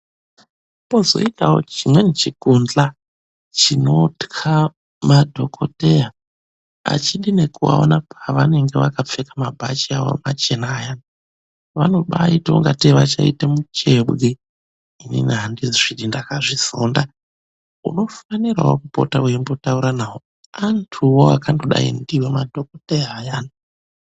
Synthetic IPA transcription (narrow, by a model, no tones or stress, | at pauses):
po̞zo̞̰itaot͡ʃimwe̞net͡ʃikund͡ɮa | t͡ʃino̞tkʰa | madʱo̞kʰo̞teja | a̰t͡ʃiɗine̞kuwa̰o̰napʰaʋane̞ŋɡe̞ʋakap͡fekḁmabʱat͡ʃiaʋo̰mat͡ʃe̞naːjan | ʋano̞ɓaitouŋɡateʋat͡ʃaitemut͡ʃe̞ɓɣe | inḭniɦandiziʐ̥iɗindakaʐiso̰ːnda | ṵno̞fanira̰wo̰kupo̞̰taujembo̞tauɾanaːwo̞ | antʰuwoa̰kandoɗa̰ḭndiwemadʱo̞kotejaːjaːna